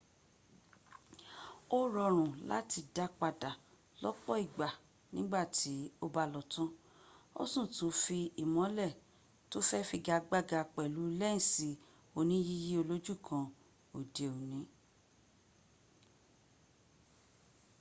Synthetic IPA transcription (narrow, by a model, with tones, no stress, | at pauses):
o˦ɾɔ˧ɾ̃ũ˨la̰˨˦ti˧da˦k͡pa˧da˨ | lɔ˦k͡pɔ˦i˦˨ɡ͡ba˨ | nĩ˦ɡ͡ba˦˨tʰi˨˦o˧ba˧lɔ˨tũ˦ | o̰˦sũ˦˨tũ˨˦fi˧i˨mɔ̃˨˦lɛ˦˨ | to˦fɛ˦fi˧ɡa˧ɡ͡ba˦ɡa˧k͡pɛ˨lu˨˦lɛ˦ĩ˨si˨˦ | o˧nĩ˨˦ji˦ji˦o˧lo˦d͡ʒu˦˨kʰã˧ | o˨de˨o˨nĩ˨˦